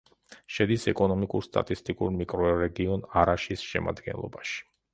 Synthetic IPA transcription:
ʃɛd̪isɛkʼɔnɔmikʼuɾst̪ʼa̰t̪ʼist̪ʼikʼuɾmikʼɾɔɾɛɡiɔnaɾaʃisʃɛ̰ma̰d̪ɡɛ̰nlˠɔ̰baʃi̥

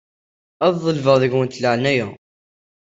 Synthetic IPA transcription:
æððˤəlvəʁðəʝwənt̪ləʕnæjæ

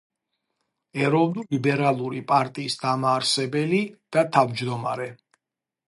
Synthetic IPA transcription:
ɛɾɔvnulibɛɾalˠuɾipʼaɾt̪ʼiːsd̪̥amaːɾsɛbɛlid̪̥at̪ʰavd͡ʒd̪ɔma̰ɾɛ

